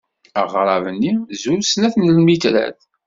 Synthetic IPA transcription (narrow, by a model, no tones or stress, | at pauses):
əʁɾˤɑvənːizuɾsnæθnlmit̪ɾæ̰θ